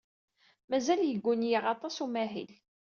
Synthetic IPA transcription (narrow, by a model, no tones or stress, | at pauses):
mæzæljəɡʷːʊnjiʁɑt̪ˤɑsumæɦḭl